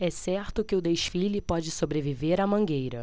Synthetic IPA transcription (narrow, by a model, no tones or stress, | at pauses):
ɛsɛɾt̪ʊkɪʊd̪eʃfilɪpɔd͡ʒɪsobɾeviveɾɐmɐ̃ɡejɾɐ